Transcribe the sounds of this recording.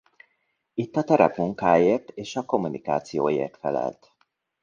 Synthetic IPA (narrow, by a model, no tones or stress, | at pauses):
it̪ːɒt̪ɛɾɛ̰pmuŋkaːjeːrt̪eːʃɒko̞mːunʔika̰ːt̪sijo̰ːjḛːrt̪fɛlɛ̰lt̪